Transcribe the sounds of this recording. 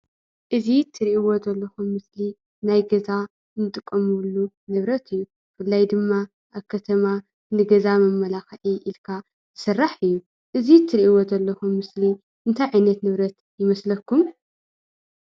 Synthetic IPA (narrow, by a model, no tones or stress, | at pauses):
ʔɨzit̪ʰːɨɾiʔiwozɐlːɐxumːɨsli | najɡɐza | nɨt̪ʼɨkʼːɐmulːu | nɨβɾɐt̪ʰɨjːu | fɨlːajd̪ɨmːa | ʔaβkʰɐt̪ʰɐma | nɨɡɐzamɐmːɐlaxʔiʔilkʰa | ɨsɨrːaħɨjːu | ʔɨzit̪ʰːɨɾiʔiwozɐlːɐxumːɨsli | ɨnt̪ʰajʕajnɐt̪nɨβɾɐt̪ | jɪmɐslɐkːum